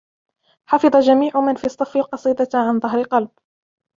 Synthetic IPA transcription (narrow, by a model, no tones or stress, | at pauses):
ħɑfɨðˤɑd͡ʒamiːʕʊmanfiːsˤːɑfɪlqɑsˤiːd̪ɑʕanðˤɑɦɾɪqɑlb̚